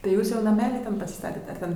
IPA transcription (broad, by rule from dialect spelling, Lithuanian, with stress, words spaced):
tɐɪ ˈjuːs jɛʊ nɐˈmʲæːlʲɪ ˈtʲɛn pɐsʲɪˈstɑːtʲɛt ɐr ˈtʲɛn